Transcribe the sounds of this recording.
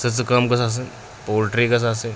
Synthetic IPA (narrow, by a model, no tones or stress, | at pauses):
sət͡səkɐmkɐsas̬e | poɾʈɾikɐsase